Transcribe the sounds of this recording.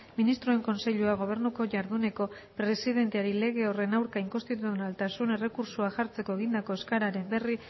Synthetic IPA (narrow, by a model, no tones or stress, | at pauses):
minist̪ɾoe̞ŋko̞nse̞ʎuaɣ̞o̞β̞e̞ɾnuko̞ʝaɾðune̞ko̞ | pɾe̞sið̞e̞nt̪e̞aɾile̞ɣ̞e̞o̞re̞nawɾkaiŋko̞nst̪it̪̬uuonalt̪asune̞re̞kuɾsuaʝaɾt͡se̞ko̞e̞ɣ̞ind̪ako̞e̞skaɾaɾe̞mbe̞ri